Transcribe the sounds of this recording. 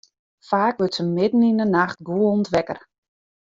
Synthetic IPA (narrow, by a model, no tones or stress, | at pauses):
faːkʋətsəmɪdn̩inənaxt̚ɡuəntʋɛkə̰r